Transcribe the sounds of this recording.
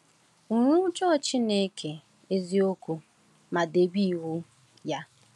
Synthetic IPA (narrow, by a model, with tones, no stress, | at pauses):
u˨ɾu˦ʊ˦t͡ʃɔ˦˨t͡ʃi˦ne˦kʰe˨ | e˦zi˦o˦ku˦ | ma˨de˨ɡ͡bi˦˨wʊ˦ | ja˦